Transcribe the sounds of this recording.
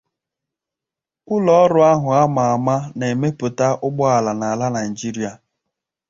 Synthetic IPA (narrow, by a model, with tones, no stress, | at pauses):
ʊ˦lɔ˦ɾʊ˨a˦ɦʊ˨a˦ma˨a˨ma˦ne˨me˦pʊ˨ta˦ʔʊ˦ɡ͡bɔ˦a˨la˨na˨la˦na˨i˨d͡ʒi˦ɾi˦a˨